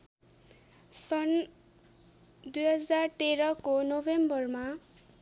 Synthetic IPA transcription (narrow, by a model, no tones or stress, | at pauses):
sʌn | d̪ujɦʌd͡zart̪eɾʌkonobembʌrma